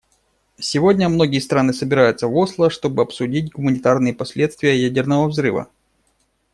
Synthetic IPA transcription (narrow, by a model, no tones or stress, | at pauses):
sʲɪvo̞dʲnʲəmno̞ɡʲɪjəst̪ɾanɨsəbʲɪɾajʊt̪səvo̞slˠəʂt̪o̞bɨɐpsʊdʲit̚ʲɡʊmənʲɪt̪arnɨjəpɐsʲlʲe̞t̪st̪vʲɪjəjædʲɪrnəvəvzɾɨvə̰